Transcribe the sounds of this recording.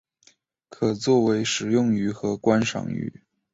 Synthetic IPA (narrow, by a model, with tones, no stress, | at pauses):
kʰɤ˨˩t͡swɔ˥˩we˧˥ɪʂɻ̩˨˩jʊ˥˩ŋy˧˥xɤ˧˥kwa˥nʂɑ̰˨˩ŋy̰˧˥